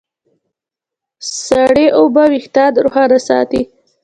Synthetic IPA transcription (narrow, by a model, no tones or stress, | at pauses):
saɽeʔawbawixt̪ɑd̪ɾʊxanasɑ̰t̪i